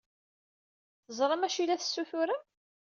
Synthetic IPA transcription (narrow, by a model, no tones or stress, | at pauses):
θəzˤɾˤɑmæʃilːæθə̥sːuθʊɾa